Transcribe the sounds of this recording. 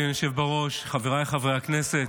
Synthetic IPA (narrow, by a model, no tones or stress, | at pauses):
joʃevbaʁo̞ʃχaveʁajχavʁeakneset